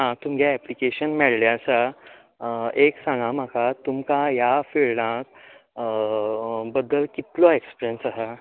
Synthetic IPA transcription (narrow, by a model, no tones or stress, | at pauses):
ɦãt̪umɡjaɛplikeɕənmɛɭljat͡sa | eksãŋɡam̤akat̪umkajafeɭnãk̚ | bəd̪ːəlkit̪lɔekspiɾjənsaɦa